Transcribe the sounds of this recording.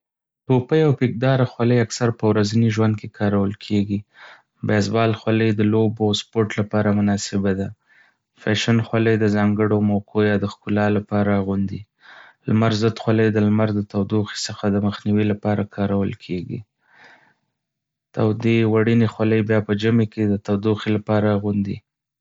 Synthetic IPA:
topəjawpek̚d̪ɑɾaxwaləjaksaɾpəwɾazaniʒwand̪̚kekʰɑɾawəlkʰeɡi | bezbɑlxwaləjd̪əloboawspoɾʈlapɑɾamʊnɑsɪbad̪a | faʃənxwaləjd̪əzɑŋɡəɽomakʰojɑd̪əxkulɑlapɑɾaɣund̪i | lmaɾzəd̪xwaləjd̪əlmaɾd̪ət̪awd̪oxi̥səxad̪əməxniwilapɑɾakʰɑɾawəlkʰeɡḭ | t̪awd̪ewaɽinexwaləjbjɑpəd͡ʒəmeked̪ət̪awd̪uxilapɑɾaɣund̪ḭ

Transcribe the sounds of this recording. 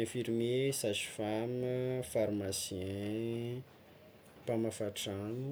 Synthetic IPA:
ɛ̃fiɾimesazi̥faməfaɾmasiɛ̃ | pamafaʈ͡ʂanu

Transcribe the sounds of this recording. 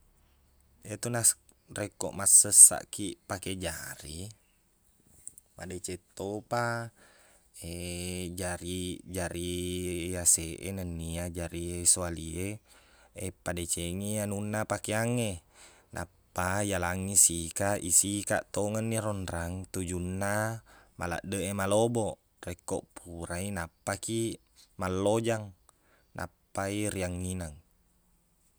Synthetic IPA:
et̪unas | rekːo̰ʔmasːəsːa̰ʔkipaked͡ʒaɾi | ma̰det͡ʃet̪ːopa | ed͡ʒaɾid͡ʒaɾijaseʔenənːiad͡ʒaɾiesualie | epadet͡ʃeŋianunːapakeaŋe | nʔa̰pːajalaŋisikaʔisika̰ʔt̪oŋənːiɾɔnɾaŋt̪ud͡ʒunːama̰la̰ʔdəʔemaloboʔ | rekːo̰ʔpʰuɾainapːaki | malːod͡ʒaŋ | nʔa̰pːairiaŋːinaŋ

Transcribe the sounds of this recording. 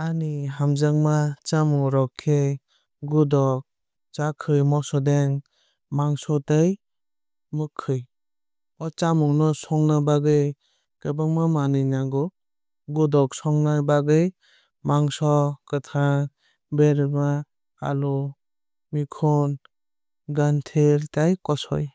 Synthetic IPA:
aniɦamzaŋmat͡ʃamuŋɾɔkʰːe | ɡudɔk̚ | t͡ʃakʰɯjmɔsɔdeŋ | maŋsɔtaj | mɯkʰːɯj | ɔt͡ʃamuŋnɔsɔŋnabaɡɯj | kɯbaŋmamanɯjnaɡɔ | ɡudɔksɔŋnabaɡɯj | maŋsɔkɯtʰaŋ | beɾma | a̰lɔ | mikʰɔn | ɡantʰeɾtajkɔsɔ̰j

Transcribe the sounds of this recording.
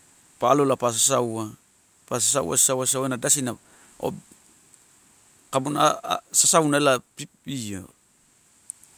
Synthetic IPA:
palolapas̬asawa | pas̬asaw̰a̰sasawaasawenadasina | o̰ | kabunasasawnaelapi | io̰

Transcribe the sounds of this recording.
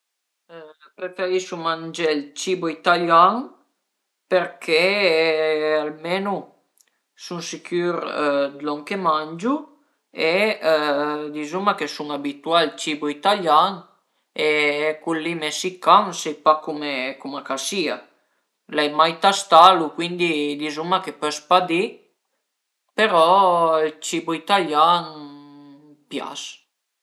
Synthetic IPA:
pɾefeɾiʃumand͡ʒelt͡ʃibuit̪aljaŋ | peɾkʰe | almenu | suŋsikyɾd̪lɔŋkemand͡ʒu | e | d̪izumakesuŋabit̪ualt͡ʃibuit̪aljaŋ | ekulːimesikːaŋsɛjpakumekumakasia̰ | lɛjmajt̪ast̪alukwind̪id̪izumakepœspad̪i | peɾɔilt͡ʃibuit̪aljan | pja̰s

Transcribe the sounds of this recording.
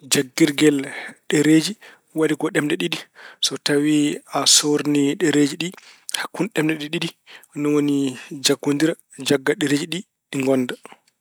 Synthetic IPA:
d͡ʒaɡːiɾɡɛlɗɛɾeːd͡ʒi | wadikɔɗɛmdɛɗiɗisɔtawiasoɾniɗɛɾed͡ʒiɗihakːunɗɛmdɛɗiɗidinɔwonid͡ʒaɡːondiɾa | d͡ʒaɡːaɗɛɾeːd͡ʒiɗi | ɗiŋɡɔnːda

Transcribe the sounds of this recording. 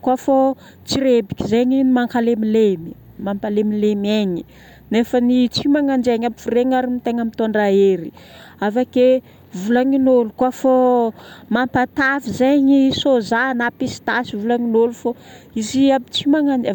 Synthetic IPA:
kwafo | t͡siɾebikʲizeɲinimaŋkalemilemi | mampalemilemeɲi | nefənit͡simaŋand͡ʒeɲamifuɾeŋaɾimit̪eŋamit̪oɳɖ͡ʐaeɾi | avake | vulaŋinolukwafo | mampat̪avizeŋisozanapisi̥t̪asivulaŋinolufoiziapit͡simaŋan

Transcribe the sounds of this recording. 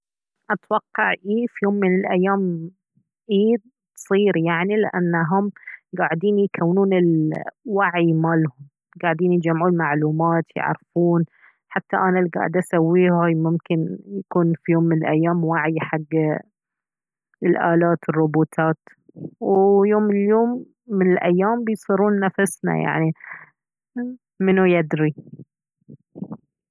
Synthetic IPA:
ʔat̪wɑqːɑʕʔiːfjoːmːɪnɪlʔajːaːm | ʔiːd̪̚ | t̪sˤiːɾjaʕnilɪʔa̰nːaɦʊmɡaːʕd̪iːnjkʰawːnuːnɪlwaʕimaːlhʊm | ɡaːʕɪd̪iːnjɪd͡ʒamːʕuːnmaʕluːmaːt̪jɪ̰ʕɾfuːn | ħat̪ːaʔanalɡa̰ːʕɪd̪ʔasawːiːhajmʊmkɪnjakuːnfijoːmːɪnɪlʔajːaːmwaʕjħaɡː | ɪlʔaːlaːt̪ɨrˤːʊbuːt̪ʰaːt̪ | wjoːmːɪnɪljoːmː | ɪnɪlʔajːaːmbɪjsˤiɾuːnːafasna̰ja̰ʕni | mɪnujad̪ɾi

